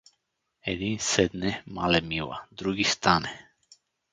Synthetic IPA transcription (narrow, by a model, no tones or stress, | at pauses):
ɛd̪insɛd̪nɛmalɛmiva̰d̪ɾuɡist̪anɛ